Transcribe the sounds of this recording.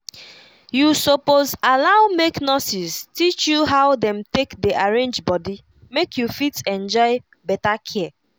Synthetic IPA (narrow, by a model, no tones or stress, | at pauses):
jusopozalawmeknɔsiztit͡ʃjuɦawdɛ̃mtekdeʔaɹẽnd͡ʒbɔdi | mekʰjufitɛ̃nd͡ʒɔɪ | bɛtakʰɛ